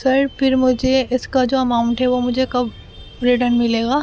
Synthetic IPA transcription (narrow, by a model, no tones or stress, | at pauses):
sɐɾpʰɪɾmʊd͡ʒʱeɪskad͡ʒoːɐmaːʊ̃ɳʈɦɛʋomʊd͡ʒʱekɐb | ɾɪʈənmɪleːɡaː